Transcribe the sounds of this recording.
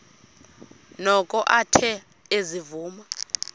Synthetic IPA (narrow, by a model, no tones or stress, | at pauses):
nɔkʼɔʔatʰɛ | ezivuːma